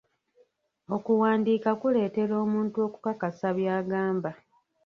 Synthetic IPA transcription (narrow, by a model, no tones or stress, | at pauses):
o̞kuwaːndiːkakule̞ːte̞ɾo̞ːmuːntuo̞ːku̥kakasaβjaːɡaːmba